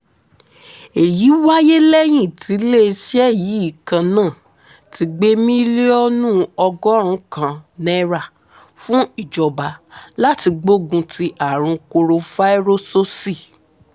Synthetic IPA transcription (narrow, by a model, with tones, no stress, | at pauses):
e˨ji˨˦wa˦je˦lɛ˦j̃ĩ˦˨ti˨˦le˦˨˧ʃɛ˦jii˨˦i˦˨kã˧nãː˦˨ | ti˨˧ɡ͡be˦mĩ˦le˦ɔ˦nũ˦ɔ˧ɡɔ˦ɾ̃ũ˦kã˧˨nɛ˦ɾa˨ | fũ˦i˦˨d͡ʒɔ˨ba˧la˦ti˧ɡ͡bo˦ɡũ˧tʰi˧ʔa˨ɾ̃ũ˧ko˧ɾo˧fa˦i˦ɾo˦so˦si˦˨